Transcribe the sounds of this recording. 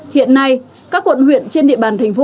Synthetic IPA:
hḭ˧˨ənːa˧j | kaː˦˥kwə̰˧˨nhwḭ˧˨ənt͡ɕe˧nɗḭ˧˨əɓaː˨˩nt̪ʰa˨˩ŋ̟fo˧˦

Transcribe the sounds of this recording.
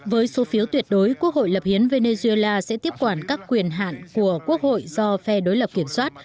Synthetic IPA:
vəː˨˦jso˨˦fi˨˦əwt̪wi˨˩ət̚ɗo˨˦jku˦˥ək̚ho̰˧˨jlə˨˩p̚hi˨˦ənve˧ne˧zu˧e˧laː˧sɛ̰˧˥t̪i˦˥əp̚kwaː˧˩nkaː˦˥kːwi˨˩ənɦa̰ː˧˨nku˧˩əku˦˥ək̚ho̰˧˨jzɔ˧fɛ˧ɗo˨˦jlə˨˩p̚ki˧˩əmswaː˦˥t̚

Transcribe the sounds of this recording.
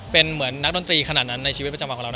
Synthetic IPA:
pe˧nmɯ˩˦ənːa˦˥k̚do˧nt̪ɾiː˧kʰa˧na˨˩t̪̚na˦˥nːa˧jt͡ɕʰi˧i˦˥pɾa˧t͡ɕa˧wkʰːɔː˨˩˦ɾa˧˩˧

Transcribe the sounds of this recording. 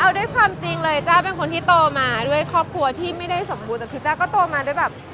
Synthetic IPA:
ʔa˧wdu˥˩əjkʰwaː˧mt͡ɕi˧ŋlɤː˧jt͡ɕaː˥˩wpe˧nkʰo˧nt̪ʰiː˥˩t̪oː˧maː˧du˥˩əjkʰɔː˥˩p̚kʰu˧ɐt̪ʰiː˥˩ma˥˩jda˥˩jso˨˩˦mbuː˧nt̪ɛː˨˩k̪ʰːt͡ɕaː˥˩kɔː˥˩t̪oː˧maː˧du˥˩jbɛː˨˩p̚

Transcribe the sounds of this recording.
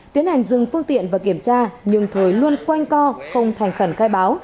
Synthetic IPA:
t̪i˨˦ənha˨˩jŋ̟zɨ˨˩ŋfɨ˧əŋt̪ḭ˧˨ənvaː˨˩ki˧˩əmt͡ɕaː˧ɲɨ˧ŋt̪ʰo˨˩jlu˧ənkwa˧jŋ̟kɔ˧xə˧wŋ͡mt̪ʰa˨˩jŋ̟xə˧˩nxaː˧jɓaː˨˦w

